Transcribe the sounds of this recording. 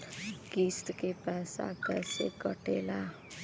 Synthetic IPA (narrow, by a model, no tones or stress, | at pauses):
kist̪kepɛsa̰kɛsḛkʌʈela